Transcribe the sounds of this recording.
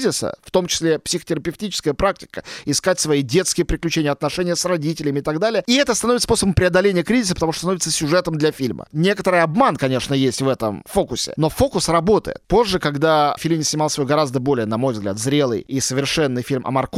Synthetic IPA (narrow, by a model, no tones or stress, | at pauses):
zʲɪsə̰ft̪o̞mt͡ɕɪ̥sʲlʲepsʲɪxə̥tʲɪɾəpʲɪftʲit͡ɕɪ̥skəjəpɾak̚tʲɪ̥kəɪskatʲsvɐidʲe̞t̪skʲɪjəpɾʲɪklʲʉt͡ɕenʲɪəɐt̪nɐʂɛnʲɪjəsrɐdʲitʲɪlʲɪmʲɪt̪ɐɡd̪alʲɪjəiɛt̪əst̪ɐnovɪsposəbəmpɾʲɪɐd̪ɐlʲenʲɪjəkɾʲizʲɪsəpət̪ɐuʂt̪osnovɪt̪səsʲʊʐɛt̪əmd̪lʲɐfʲilʲmə̰nʲekət̪əɾɨjɐbmankɐnʲe̞ʂnəjesʲtʲvɛt̪ə̰mfo̞kʊsʲɪ̰no̞fo̞kʊsrɐbo̞t̪ə̰jɪ̰t̪̚po̞ʐːɨkɐɡd̪afʲilʲmnʲɪsnʲɪmalˠsvojɡɐɾazd̪əbo̞lʲɪjənɐmo̞jvzɡlʲa̰t̪zɾʲe̞lˠɨ̰jisəvʲɪrʂɛnːɨjfʲilʲmʔɐ̰mɐrk